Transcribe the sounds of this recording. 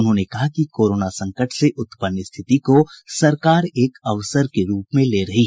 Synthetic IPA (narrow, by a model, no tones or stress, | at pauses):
ʊnɦõnekɐɦakikoːɾoːnasɐ̃ŋkəʈʰseʔʊt̪pənːəst̪ʰɪt̪ikosɐɾkaːɾeːkɐʋsəɾkeɾuːpmẽleːɾɐɦi